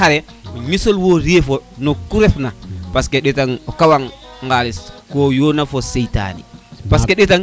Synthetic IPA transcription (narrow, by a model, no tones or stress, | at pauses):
aɾe | ɲisolwoɾiefonokuɾefnapaskeɗetaŋokawaŋŋɡaliskojonafosejta̰nḭpaskeɗetaŋ